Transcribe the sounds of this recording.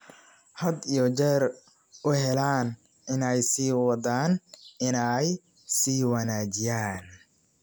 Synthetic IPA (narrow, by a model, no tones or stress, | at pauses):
hɐd̪ijɔt͡ʃɛr | ʔʊɦɛlaːn | ʔɪnɛjsiːwɑd̪aːnʔɪnɛj | siːwɑnaːt͡ʃɪjaːn